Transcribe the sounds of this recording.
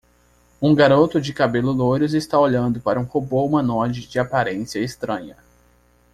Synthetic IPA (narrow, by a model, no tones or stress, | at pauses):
ũɡaɾot̪ʊd͡ʒɪkabelʊlojɾʊzɪst̪aoʎɐ̃nd̪ʊpaɾɐũhoboumɐnɔd͡ʒɪd͡ʒɪapaɾẽsiɐest̪ɾɐ̃ɲɐ